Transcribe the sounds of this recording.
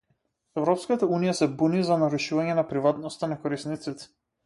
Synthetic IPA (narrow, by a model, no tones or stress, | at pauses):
ɛvɾɔpskat̪aunijasɛbunizanaɾuʃuvaɲɛnapɾivat̪nɔst̪anakɔɾisnit̪sit̪ɛ̥